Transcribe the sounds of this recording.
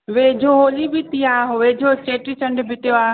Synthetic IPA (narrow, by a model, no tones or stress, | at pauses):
ʋeːd͡ʑʱoɦoːlibɪt̪iaːɦoʋeːd͡ʑʱost͡ɕeːʈɾit͡ɕɐ̃ɳɖbʱɪt̪ijoaː